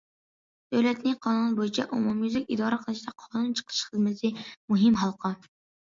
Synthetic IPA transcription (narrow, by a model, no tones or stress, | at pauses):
d̪̥øwlɛt̪nɪqʰɑnunnbojit͡ʃʰɛʔumɑmjuzɪkʲid̪ɑːɾəqʰəlˠɨʃd̪ɑqʰɑnunt͡ʃʰə̥qʰɨ̥ʃχəzmɪt̪ʰɪmuɦɪmɦɑlˠqʰɑ